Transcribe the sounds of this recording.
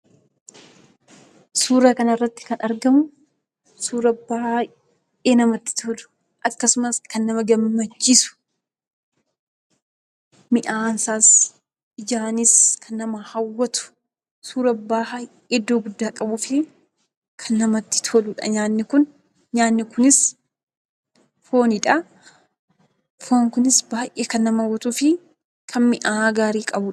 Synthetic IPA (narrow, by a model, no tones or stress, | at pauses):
suːɾɐkɐnɐrːɐt̪ːɪ̥kɐnʔɐɾɡɐmʊ | suːɾɐbaːha | eːnɐmɐt̪ːɪ̥t̪ʰoːlʊ̥ | ʔɐkːɐsʊmɐskɐnːɐmɐɡɐmːɐt͡ʃːisʊ̥ | mɪʔaːnsaːs | ɪd͡ʒaːnɪskʰɐnːɐmɐhɐwːɐt̪ʊ̥ | suːɾɐbaːhɐ | ɪd̪ːo̞ːɡʊd̪ːaːkʼɐbʊfɪ | kʰɐnːɐmɐt̪ːɪ̥t̪ʰoːlʊːᶑɐ̰ɲaːnːɪkʊn | ɲaːnːɪkʊnɪs | fo̞ːnɪᶑɐ | foːŋkʊnɪsbaːjʔeːkɐnːɐmɐwɔt̪ʊfɪ | kʰɐnmɪʔaːɡaːɾiːkʼɐbʊᶑɐ̥